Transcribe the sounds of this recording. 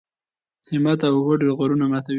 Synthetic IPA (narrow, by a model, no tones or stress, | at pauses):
hɪmat̪awhoɖeɾɣoɾunamat̪aw